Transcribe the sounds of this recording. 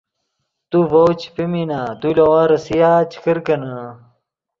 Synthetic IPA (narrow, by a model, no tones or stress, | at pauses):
t̪uvowt͡ɕpiminat̪ulowãɾɐsijaːt͡ɕʰi̥kəɾkɐnɐ